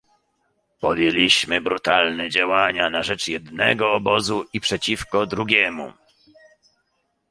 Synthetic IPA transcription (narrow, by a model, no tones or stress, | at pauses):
pɔd̪jelʲiɕmɘbɾut̪alnɛd͡ʑawaɲanaʐɛt͡ʂjɛd̪nɛ̰ɡɔːbɔzuipʂɛt͡ɕifkɔd̪ɾuɡʲɛmṵ